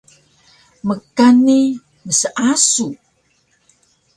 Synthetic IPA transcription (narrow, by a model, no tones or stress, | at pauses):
məkani | məsəʔasu